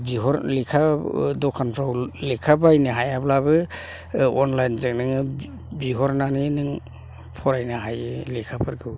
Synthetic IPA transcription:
biɦɔɾlikʰadɔkʰanpʰɾawlikʰabajnɯɦajablabɯ | ɔnlajnzek̚nɯŋɯ | biɦɔɾnaninɯŋ | pʰɔɾajnaɦajlikʰapʰɯɾɡɯw

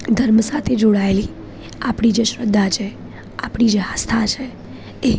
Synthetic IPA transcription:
d̪ʱəɾmsat̪ʰed͡ʒoɽaeli | apɽ̃id͡ʒeʃɾəd̪ʱːat͡ʃʰe | apɽ̃id͡ʒeɦast̪ʰat͡ʃʰe | e

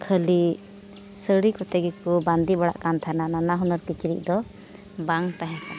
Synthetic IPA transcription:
kʰəli | səɽikɔt̪ɛɡɛkuband̪ibaɽa̰ʔkant̪ʰanananaɦunɔɾkit͡ʃiɾiʔ̚ˀd̪ɔ | baŋt̪aɦɛ̃k̪an

